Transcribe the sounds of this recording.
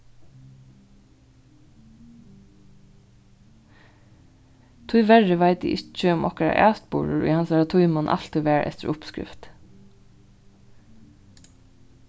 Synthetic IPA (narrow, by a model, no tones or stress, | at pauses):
t̪ʰʊʏʋɛɹəʋaɪt̪̚ḭʔɪt͡ʃəʊmʔɔ̰kəɾa̰ʔæ̰ːst̪buːɹəɹɔ̰hɑnsæɹat̪ʰʊʏmɔnʔɑ̰l̥t̪ɪʋæːɹʔɛ̰ft̪əɹʔʊpskɹɪ̰ft̪